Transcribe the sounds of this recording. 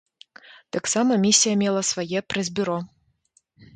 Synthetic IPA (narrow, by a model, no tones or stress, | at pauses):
t̪aksamɐmʲisʲːijɐmʲɛlˠɐsvɐjɛpɾɛzʲbʲyɾɔ